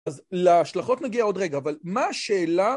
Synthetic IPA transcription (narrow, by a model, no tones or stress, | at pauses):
azleaʃlaχo̞t̪naɡiao̞dʁe̞ɡaːvalmaːʃeːla